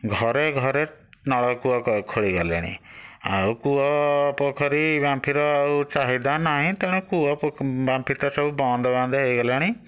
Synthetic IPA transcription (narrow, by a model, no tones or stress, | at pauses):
ɡʱɔɾeɡʱɔɾenɔɭɔkuɔkɔkʰoɭiɡɔla̰ɽ̃ḭa̰wkuɔpokʰɔɾibjãmpʰiɾɔaut͡ʃaɦid̪anaɦĩt̪eɽ̃ũkuɔbjãmpʰit̪ɔsɔbubɔ̃nd̪ʱɔbãnd̪eɦejɡɔlaɽ̃i